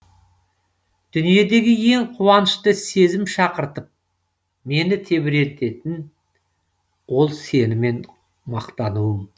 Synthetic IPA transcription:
d̪̥ʏnije̞d̪e̞ɡʲɪje̞ŋqʰuwɑnəʃt̪əse̞zɪmʃɑqəɾt̪əp̚ | me̞nɪt̪ʰe̞bɪɾe̞lt̪e̞t̪ɪn | wo̞lˠse̞nɪme̞n | mɑqt̪ɑnuwəm

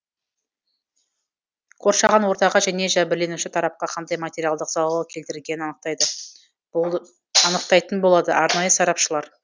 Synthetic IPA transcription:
qʰo̞ɾʃɑʁɑnwo̞ɾt̪ɑʁɑʒæne̞ʒæbɪɾle̞nuʃɪt̪ʰɑɾɑp̚qɑqʰɑnd̪ɑjmat̪ʲe̞ɾijalˠd̪əqzɑlˠwˠɑkʲʰe̞lt̪ɪɾɪlɡʲe̞nɪnɑnəq̚t̪ɑjd̪ə | ɑnəq̚t̪ɑjt̪ənbo̞lˠɑd̪əʔɑɾnɑjəsɑɾɑpʃəlˠɑɾ

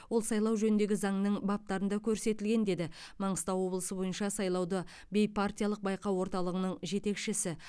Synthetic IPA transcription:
wo̞lˠsɑjlˠɑwʒɵnɪnd̪e̞ɡʲɪzɑɴnəɴbɑp̚t̪ɑɾənd̪ɑkʲʰɵɾse̞t̪ɪlɡʲe̞nd̪e̞d̪ɪ | mɑɴəst̪ɑwo̞blˠəsəbo̞jənʃɑsɑjlˠɑwd̪ə | bʲe̞jpʰart̪ʲijalˠəq̚bɑjqɑwo̞ɾt̪ɑlˠəʁənəɴʒe̞t̪e̞kʃɪsɪ

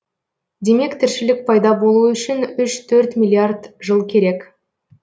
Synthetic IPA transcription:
d̪e̞me̞kt̪ʰɪɾʃɪlɪk̚pʰɑjd̪ɑbo̞lˠuʏʃɪnʏʃt̪ʰɵɾt̪mʲilʲˠiard̪ʒəlˠkʲʰe̞ɾe̞k

